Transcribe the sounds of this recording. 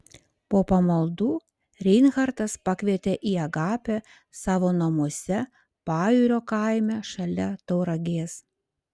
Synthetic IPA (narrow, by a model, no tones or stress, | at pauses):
poːpɐmɐlˠd̪uː | ɾʲɛɪnxɐɾt̪ɐspɐkʲʋʲiɛt̪ʲeʔiːɐɡɑːpʲɛ | sɑːʋoːnɐmuɔsʲɛ | pɑːjuːɾʲoːkɐˑɪmʲɛʃɐlʲɛt̪ɒʊɾɐɡʲeːs